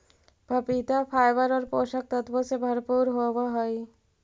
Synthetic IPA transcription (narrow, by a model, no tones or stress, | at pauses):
bʱapit̪afʰajbaɾoɾpoʃak̚t̪at̪posebʱaɾpuɾɦobaɦɔj